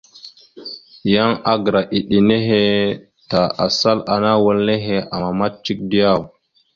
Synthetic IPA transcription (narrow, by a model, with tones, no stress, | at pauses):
ja˦ŋa˦ɡɾa˨ʔi˨ɗi˨ne˦ɦe˦ | ta˨a̰˨sa˦la˨na˦wə˦lne˦ɦe˦a˨ma˦t̚t͡ʃi˦k̚di˦ja˦˨w